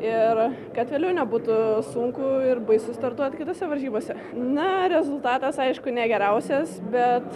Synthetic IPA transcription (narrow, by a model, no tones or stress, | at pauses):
ɪrkɐt̪ʋʲeːlʲɛʊnʲɛbuːt̪ʊsʊŋkʊɪrbɐɪsʊst̪ɐrt̪uɔt̪kʲɪt̪oːsʲɛʋɐlʲʒʲiːboːsʲɛ | nɐɾʲɛzʊlˠt̪ɑːt̪ɐsɐɪʃkʊnʲɛɡʲɛɾʲɛʊsʲɛsbʲɛt̪